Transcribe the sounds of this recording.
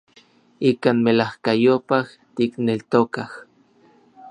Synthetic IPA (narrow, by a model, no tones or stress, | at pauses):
ikaːnmelahkajopah | t̪iknelt̪okah